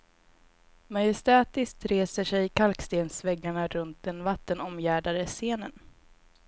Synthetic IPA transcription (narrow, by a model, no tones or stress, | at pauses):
majɛst̪ɛːt̪ɪst̪ɾeːsəʂɛjkʰalkst̪eːnsvɛɡːaɳaɾɵnt̪̚d̪ɛnvat̪ːənɔmjæːɖad̪əseːnən